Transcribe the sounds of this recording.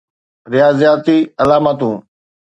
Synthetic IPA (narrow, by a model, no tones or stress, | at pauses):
ɾɪjaːzijaːt̪iːɐlaːmaːt̪ũː